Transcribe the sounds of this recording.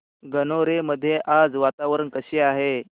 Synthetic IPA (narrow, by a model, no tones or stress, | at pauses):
ɡənoɾeməd̪ʱːjeʔad͡zʋat̪aʋəɾəɳkəɕeaɦe